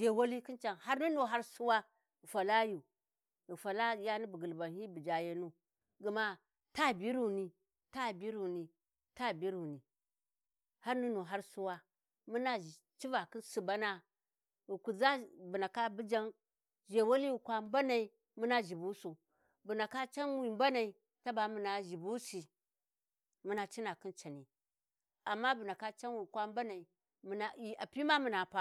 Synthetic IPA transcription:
ʒe˨wo˦li˦ki˦nt͡ʃa˨nha˦ɾnu˦no˨ɦa˦ɾsu˦wa˦˨ | fa˨la˦ju˨ | u˨fa˨la˦ja˦ni˦bi˨ɡi˨lba˨nhi˦bi˨d͡ʒa˨je˦nu˦ | ɡə˨ma˦ | ta˦˨bi˦ɾu˨ni˨ | ta˦˨bi˦ɾu˨ni˨ | ta˦˨bi˦ɾu˨ni˨ | ha˦ɾnu˦no˨ɦa˦ɾsu˦wa˦ | mu˦na˦i˨ | t͡ʃi˦va˨ki˦nsu˨ba˦na˦ | wu˨ku˨za˦bu˨na˨ka˦bi˦d͡ʒa˦n | ʒe˨wo˦li˦wi˨kʷa˦mba˦na˨i˨ | mu˦na˦ʒi˨bu˦su˨ | bu˨na˨ka˦t͡ʃa˦nwi˨mba˦na˨i˨ | ta˦ba˨mu˨na˨ʒi˨bu˦si˨ | mu˦na˨t͡ʃi˦na˨ki˦nt͡ʃa˨ni˨ | a˨mːa˦bu˨na˨ka˦t͡ʃa˦nwi˨kʷa˦m˦ba˦na˨i˨ | mu˨na˨i˨a˨pi˦ma˦mu˨na˨pa˦

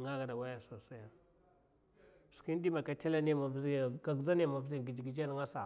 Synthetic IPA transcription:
ŋa˦ɡa˨da˨wa˦ja˨so˨sa˦ja˨ | su̥˨ki˦n˦di˦ma˨ka˨te˦la˦ne˦˨ma˨vzi˦˨ɡa˨ɡza˦ne˦˨ma˨vzi˨ɡi˨d͡ʒi˨ɡi˨d͡ʒa˦lŋa˦sa˨

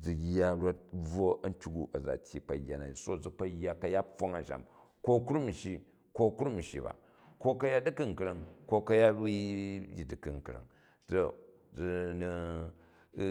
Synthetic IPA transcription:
d͡zu˨jːa˦ɾo˦t̚b͡vo˦ɐ˦n̩˦tʲu˦ɡu˦ʔɐ˨d͡za̰˨tʲji˨k͡pɐ˨jːa˨na̰˨i˨so˦d͡zu˨k͡pɐ˦jːa˦kɐ˦ja˦ɸo˦ŋa˨ʃa̰˨m | ko˦ku˦ɾu˦m̩˨ʃi˦ | ko˦kɾu˦m̩˨ʃḭ˨ba̰˨ | ko˦kɐ˦ja˦di˦ki˦ŋ̩˨kɾɐ˦ŋko˦kɐ˦ja˦bi˦ji˨di˨kɨ˨ŋ˨kɾɐ̰˨ŋ | to˨ | d͡zu˨˧ni˧

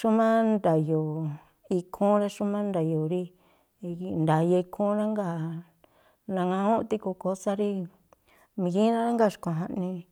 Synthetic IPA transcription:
ʃu˦mã˦nd̪a˨jo˨ | i˧kʰũ˦ɾa˦ʃu˦mã˦nd̪a˨jo˨ɾi˦˧˨ | nd̪a˨je˧i˧kʰũ˦ɾã˦ŋɡa˦˨ | nã˧ŋã˧ũ˦˧t̪i˧ko˧ko˧˦sa˦ɾi˦ | mĩ˧ɡĩ˦ɾã˦ɾa˦ŋɡa˦˨ʃkõ˧˨ɦã˧nĩ˧

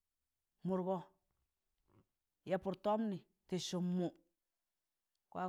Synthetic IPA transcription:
mu˨ɾɡɔ˦ | je˨pu˨ɾto˦mni˨ | ti˨su˨mːu˨ | kwa˦

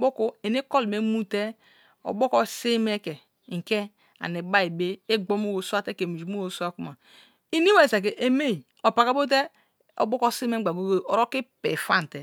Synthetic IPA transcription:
bo˦ko˦e˨ni˦ko˦lme˦mu˦te˦ | o̰˨bo˦ko˦si˦me˦ke˨ | ŋ̩˨ke˦ | a̰˨ni˨ba˦i˨be˦e˦ɡ͡bo˦m˦o˦wo˨su˦a˦te˦ke˨mi˨d͡ʒu˨mo˦wo˨˦su˦a˦ku˦ma˨ | i˦ni˦we˦˨sa˨k̬e˨ʔe˨me˦˨ | o˨pa˨ka˦bo˦t̬e˦ | o̰˨bo˦ko˦si˦me˦ɡ͡ba˨ɡo˦ɡo˦o˨ɾo˦ki˦pḛ˨fa˦n˨te˨

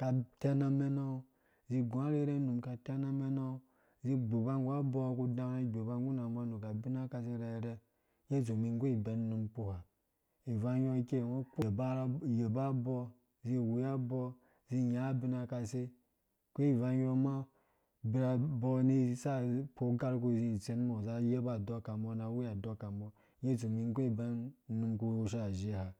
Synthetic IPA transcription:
ka˨te˦na˦me˦na˦ | zi˧ɡu˨a˦ɾe˦ɾe˦nu˨mka˨ta˦na˦me˦na˦ | zi˦ɡ͡bo˨ba˦ŋ˦ɡʷa˦bɔ˦ku˦dã˨˦a˦˨ɡ͡bo˨ba˦ɡu˦na˨˦ɡ͡ba˦nu˨ka˨bi˦na˦ka˨s̬e˦ɾa˨ɾe˦ | je˦zo˨mi˨ŋ˦ɡo˦i˨be˨˦n˦nu˨mpo˨ha˨ | i˨va˦jo˦ke˦˨no˦k͡po˦˨bje˨ba˦bɔ˦ | zi˦˨wu˨ja˦bo˦ | zi˦˨ja˨˦bi˦na˦ka˦se˦ | ko˦i˨va˦jo˦ma˦ | bi˨ɾa˨bo˦ni˦sa˦po˦ɡa˦ɾk̬u˦˨zi˦˨t͡se˦n˦mo˨za˦je˦ba˨do˦ka˨mbo˦na˨wu˦ja˨do˦ka˨mbɔ˦ | je˦˨t͡so˨mi˦ŋ˦ko˦i˨be˦nnu˦nku˦u˦ʃ̬a˦˨ʒe˦ha˨

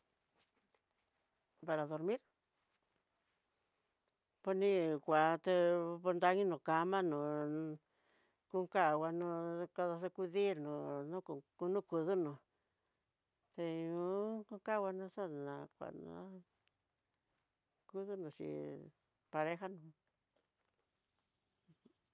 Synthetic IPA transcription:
pa˧ɾa˨ðo˧ɾmĩ˦ɾ | po˧nĩ˧kʷa˨t̪e˧po˧nd̪a˧ɲĩ˦nũ˨ka˧mã˦nũ˨ | ku˦ŋka˦˨wa˧nũ˧ka˧ða˧s̬e˧ku˧ði˦ɾnũ˨nũ˦ku˧ku˧nũ˦ku˧ðu˦nũ˨ | t̪e˧nũ˦ku˦ŋka˦wa˧nũ˧sa˦nã˨kʷa̰˨nã̰˧˦ | ku˦ðu˦nũ˨t͡ʃḭ˧˨ | pa˧ɾe˦xa˦nũ˨

